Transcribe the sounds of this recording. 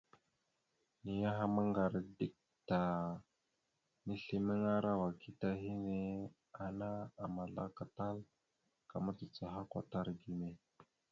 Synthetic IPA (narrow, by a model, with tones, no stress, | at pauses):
ni˨ja˦ɦa˦ma˦ŋɡa˨ɾdi˦k̚ | ta˨ | ni˦ɬi˦mə˦ŋa˦ɾa˦wa˨ki˦ta˦ɦi˦ne˦ | a˨na˦a˨ma˨ɮa̰˦ka˨ta˦l | ka˨ma˦t͡sə˨t͡sa˨ɦa˦kʷa̰˨ta˦ɾɡi˨me˨